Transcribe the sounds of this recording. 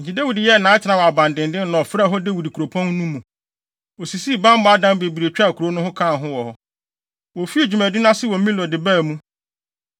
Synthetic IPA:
ɲ̩˨d͡ʑi˨de˦wi˨dɪ˨jɛ˦˨nãː˨˦t͡ɕʰɪ˨nã˨wɔ˨a˨bã˨ndɪ̃˨ndɪ̃˦n˨nɔ̃˨fɾa˦˨ɦɔ˦de˦wi˨di˨kʰu˨ɾo˨pʰɔ̃˦n˦nũ˦mːũ˨ | wɔ˨si˨si˦˨bã˦m˦bʊ̃˨˦a˦dã˦m˦be˨bi˨ɾe˨t͡ɕᶣa˦˨kʰu˨ɾo˦nʊ̃˦hʊ̃˦kʰã˦˨ɦʊ̃˦wɔ˨hɔ˦ | wɔ˨fi˦e˨d͡ʑᶣu˨mæ̃˨di˦nã˦sɪ˦wɔ̃˨m˦mĩ˦lɔ˨dɪ˨bæ˦˨mũ˦

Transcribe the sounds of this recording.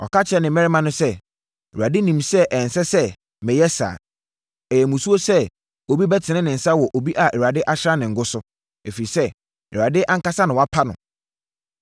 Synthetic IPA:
ɔ̰˨ka˦t͡ɕʰɛ˦nɪ̃˨mɛ˦ɾɪ˦mã˨nʊ̃˦sɛ˦ | ɛ˨wu˨a˨dɪ˦nĩ˨msɛ˦ʔɛ˨n̩˨sɛ˦sɛ˦ | mɪ̃˨jɛ˦sa̰ː˨ | ɛ˨jɛ˨mũ˨su˦o˦sɛ˦ | o˨bi˦bɛ˦tʰɪ˨nɪ̃˦nɪ̃˨n̩˨sa˦wɔ˨ʔo˨bi˦ʔa˨ʔɛ˨wu˨a˨dɪ˦ʔa˦ɕɪɾa˦nɪ̃˨ŋ̩˨ɡʊ˦sʊ˦ | e˨fe˨i˨sɛ˦ | ɛ̰˨wu˨a˨dɪ˦ʔã˦ŋ̩˦ka˦sa˦nɪ̃˨wa˦pʰa˦nʊ̰̃˨

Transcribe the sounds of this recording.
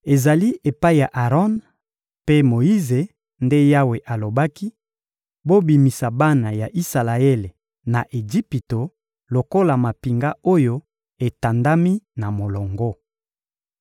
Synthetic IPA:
e˨za˨li˦ʔe˨pa˦i˦˨ja˨ʔa˨ʁɔ˦n | pe˦mo˨i˦ze˨ | nde˦ja˦we˨ʔa˨lo˨ba˦ki˦ | bo˦bi˨mi˨sa˨ba˦na˨ja˨ʔi˦sa˨la˨e˦le˨ | na˨ʔe˨d͡ʒi˦pi˨to˨ | lo˨ko˦la˨ma˨pi˨ŋɡa˦o˦jo˦ | e˨ta˨nda˦mi˦na˨mo˨lɔ˨ŋɡɔ˦

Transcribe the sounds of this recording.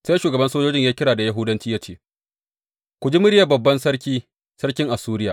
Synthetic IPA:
sa˦jʃuː˨ɡɐ˨bɐ˦nsoː˦d͡ʒoː˦d͡ʒɪ˦ɲjaː˦kʲɪ˦ɽaː˨da˨ja˦ɦʊ˦dɐ˦nt͡ʃiː˦ja˦t͡ʃeː˦ | kʷʊ˨d͡ʒi˦mʊ˦ɽɪ˦ja˨bɐ˨bːɐ˦nsɐ˦ɽkʲiː˦ | sɐ˦ɽkʲɪ˦ŋʔa˨suː˦ɾɪ˦jaː˨

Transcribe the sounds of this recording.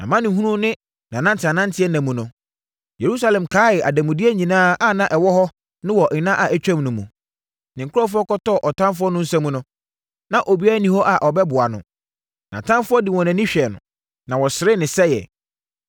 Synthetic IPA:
nã̰˨mã˦nɪ̃˨ɦũ˦ɾũ˦nɪ̃˦ | nã˨nã˦n˦tʰɪ˨a˨nã˦n̩˦tʰɪ˦ɛ˦næ̃˨mũ˨nʊ̃˨ | je˨ɾu˦sa˦lɛ̃˨mkʰaː˨˦ɪ˨ʔa˨dæ̃˨mũ˨dɪ˦ɛ˦ɲĩ˨nãː˦a˦˨nã˦ʔɛ˨wɔ˦hɔ˦ | nʊ̃˦wɔ˨ʔnã˦ʔa˨ʔæ˨t͡ɕᶣɛ̃˦mnʊ̃˨mũ˨ | nɪ̃˨ŋ̩˨kʰʊ˦ɔ˦fʊ˦ɔ˦kɔ˦tɔ˦˨ʔɔ˨tʰã˦mf̬ʊ˦ɔ˦nʊ̃˦n̩˦sɛ̃˦mũ˨˦nʊ̃˦ | nã˨ʔo˨bi˦a˦nĩ˨ho˦ʔa˨ʔɔ˨bɛ˦bʊ˨a˨nʊ̰̃˨ | nã̰˨tʰã˦nfʊ˦ɔ˦dɪ˨wɔ̃˨nã˨nĩ˦ɕᶣɛ˨nʊ̰̃˨ | nã˨wɔ˨sɪ˨ɾɪ˦nɪ̃˨sɛ˦jɛ̰˨

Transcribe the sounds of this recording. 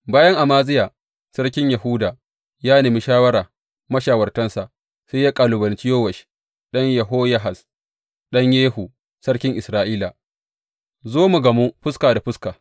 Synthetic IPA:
baː˦jɐ˦ŋʔa˨maː˦zɪ˦jaː˨ | sɐ˦rk̬ʲɪ˦ɲjɐ˨ɦuː˦daː˨ | jaː˦ne˨mi˦ʃaː˦wɐ˦ɽaː˨ | mɐ˦ʃaː˨wɐ˨rtɐ˦nsa˨ʔ | se˦jaː˦kʼaː˨lʊ˨bɐ˨nt͡ʃɪ˦joː˦wɐ˨ʃi̥˦ | ɗɐ˦ɲjɐ˨ɦoː˦jɐ˦ɦa˨s | ɗɐ˦ɲjeː˦ɦu˨ | sɐ˦ɽkʲɪ˦ŋʔɪ˨sɾaː˦ʔiː˦la˨ | zoː˦mu˨ɡɐ˨mu˦ɸʊ˦skaː˨da˨ɸʊ˦skaː˨

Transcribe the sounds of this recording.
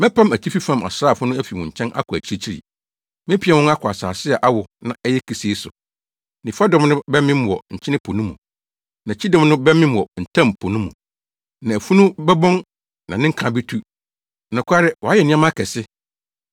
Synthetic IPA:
mɛ̃˦pʰã˦mæ˨t͡ɕʰi˦fi˦fã˦ma̰˨saː˦˨fʊ˦nʊ̃˦æ˦fi˨wʊ̃˨ɲ̩˨t͡ɕʰɛ̃˦nʔa̰˦kʰʊ˨æ˨t͡ɕʰi˦ɾi˦t͡ɕʰi˦ɾḭ˨ | mɪ̃˦pʰi˦ɛ˨wʊ̃˦na˦kʰʊ˨a˨saː˨sɪ˦a˨ʔa˦wʊ˨nã̰˨ɛ˦jɛ˦kʰi˨si˨e˦sʊ˨ | nɪ̃˨fa˦dɔ̃˦mnʊ̃˦bɛ˦mɪ̃˦m˦wɔ˨ɲ̩˨t͡ɕʰɪ˦nɪ̃˦pʰo˨nũ˦mṵ̃˨ | nã˨t͡ɕʰi˦dɔ̃˦mnʊ̃˦bɛ˦mɪ̃˦m˨wɔ˨n̩˨tʰã˦˨m˨pʰo˨nũ˦mṵ̃˨ | nã˨æ˨fu˦nʊ̃˦bɛ˦bɔ̃˦n | nã̰˨nɪ̃˦ŋ̩˦kʰã˨be˦tʰu˦ | nʊ̃˨kʰʷa˦ɾɛ˦wɔ˨a˦jɛ˨nɪ̃˦ã˦mã˦kʰɛ˨sɪ˦

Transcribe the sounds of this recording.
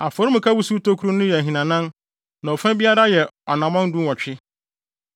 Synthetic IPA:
a˨fɔ˨ɾu˦mʊ̃˨kʰa˦bu˦su˦to˦kʰu˦ɾu˦nʊ̃˦jɛ˨ɦĩ˨nã˨nã˦n | nã˨ɔ˨fã˦bi˦a˦ɾa˦jɛ˨ɔ˨nã˨mã˦n˦dũ˦wɔ˨t͡ɕᶣɪ˦

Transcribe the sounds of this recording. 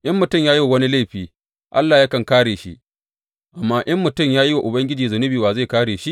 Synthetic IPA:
ʔɐ˦mːʊ˨tʊ˦˨mjaː˦ji˦wa˨wɐ˦ni˦la˦˨ɸiː˨ | ʔa̰˦lːaː˨ja˦kɐ˨ŋkaː˦ɽeː˨ʃḭ˦ | ʔa˨mːaː˦ʔɐ˦mːʊ˨tʊ˦˨mjaː˦ji˦wa˨ʔʊ˨bɐ˦ŋɡʲɪ˦d͡ʒiː˨zʊ˨nʊ˦biː˨waː˨za˦˨kaː˦ɽeː˨ʃi˦

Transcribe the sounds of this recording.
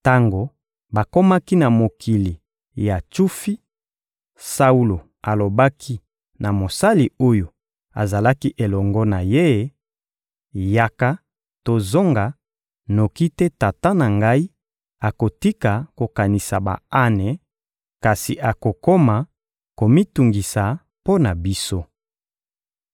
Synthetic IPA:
ta˦ŋɡo˨ | ba˨ko˦ma˦ki˦na˨mo˨kʰi˨li˨ | ja˨t͡ʃu˦fi˦ | sa˦u˦lo˨ | a˨lo˨ba˦kʰi˦ | na˨mo˨sa˦li˨o˦jo˨ | a̰˨za˨la˦ki˦ʔe˨lɔ˨ŋɡɔ˦na˨je˦ | ja˨ka˦ | to˨zo˦ŋɡa˨ | no˨ki˦tɛ˦ta˨ta˦na˨ŋɡa˦i˦ | a˨ko˨ti˦ka˨ko˨ka˨ni˨sa˨ba̰˨a˦ne˨ | ka˨si˨ʔa˨ko˨ko˦ma˨ | ko˨mi˦tu˨ŋɡi˨sa˨ | po˦na˨bi˦so˦

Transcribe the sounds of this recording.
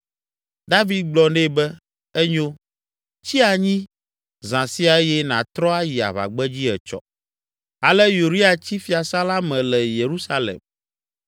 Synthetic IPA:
d̪a˦vi˨d̪̚ɡ͡blɔ˨ne˦˨bɛ˦ | ɛ˦ɲõ˦ | t͡ɕi˦a˨ɲĩ˦ | zã˨si˦a˨ɛ˦jɛ˦nã˨t̪ɾɔ˦a˦ji˨a̰˨βa̰˨ɡ͡bɛ˦d͡ʑi˦ɛ˨t͡ʃɔ̰˦ | a˨lɛ˦ju˨ɾi˦a˨t͡ɕi˦fi˨a˨sa˦la˦mɛ̃˨lɛ˨je˨ɾu˦sa˦lḛ˨m

